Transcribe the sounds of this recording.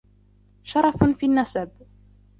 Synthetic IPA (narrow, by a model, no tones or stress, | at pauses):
ʃɑɾˤɑffiːnːasab